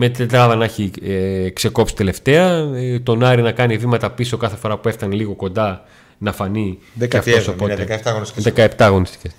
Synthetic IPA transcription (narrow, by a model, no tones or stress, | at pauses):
me̞t̪t̪ed̪ɾɐðɐnɐçikse̞ko̞psi̥t̪e̞le̞ft̪e̞ɐt̪o̞nɐɾinɐkɐnivimɐt̪ɐpiso̞kɐθe̞fo̞ɾɐpueθt̪ɐnliɣo̞ko̞nd̪ɐ | nɐfɐniðeceɐfosopot̪et̪ɐɣonsðekɐept̪ɐɣo̞nist̪i̥ces